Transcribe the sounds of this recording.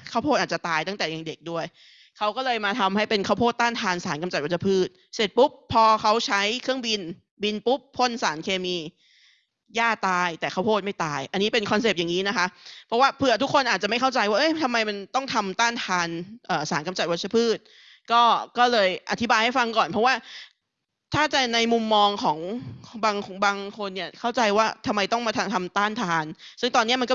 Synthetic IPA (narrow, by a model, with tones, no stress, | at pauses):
kʰa˥˩pʰoː˥˩t̪̚ʔa˨˩t͡ɕt̪aː˧jt̪a˥˩ŋt̪ɛː˨˩ja˨˩ŋde˨˩k̚du˥˩əj | kʰa˦˥wkɔː˥˩lɤː˧jmaː˧t̪ʰa˧mha˥˩jpe˧nkʰaː˥˩wpʰoː˥˩t̪ːaː˥˩nt̪ʰaː˧nsaː˩˦nka˧mt͡ɕa˨˩wa˦˥sʰa˧pʰɯː˥˩t̪̚ | se˨˩t̪̚pu˦˥p̚ʰːɔː˧kʰa˦˥wt͡ɕʰa˦˥jkʰɯ˥˩əŋbi˧n | bi˧npu˦˥pʰːo˥˩nsaː˩˦nkʰeː˧miː˧ | jaː˥˩t̪aː˧jt̪ɛː˨˩kʰa˦˥wpʰoː˥˩t̪̚ma˥˩jt̪aː˧jʔa˧nːi˦˥pe˧nkʰɔ˧nseː˨˩p̚ja˨˩ŋiː˦˥na˦˥kʰa˦˥ʔpʰɾɔ˦˥waː˥˩pʰɯ˧˩ɐt̪ʰu˦˥kʰːo˧nʔaː˨˩t͡ɕa˨˩ma˥˩jkʰwt͡ɕa˧jwaː˥˩ʔɤ˦˥˩jt̪ʰa˧mːa˧jma˧nt̪ɔ˥˩ŋt̪ʰa˧mt̪aː˥˩nt̪ʰaː˧nʔɤː˨˩saː˩˦nka˧mt͡ɕa˨˩wa˦˥t̚sʰa˦˥pʰɯː˥˩t̪̚ | kɔː˥˩kɔː˥˩lɤː˧jʔa˧˩t̪ʰi˦baː˧jha˥˩jfa˧ŋkɔː˨˩npʰɾɔ˦˥waː˥˩ | t̪ʰaː˥˩t͡ɕa˨˩na˧jmu˧mːɔː˧ŋkʰɔː˩˦ŋbaː˧ŋbaː˧ŋkʰo˧nːi˥˩ɐkʰa˥˩wt͡ɕa˧jwaː˥˩t̪ʰa˧mːa˧jt̪ɔ˥˩ŋmaː˧t̪ʰa˧t̪ʰa˧mt̪aː˥˩nt̪ʰaː˧nsɯ˥˩ŋt̪ɔː˧nːi˦˥ɐ˨ma˧nkɔ˥˩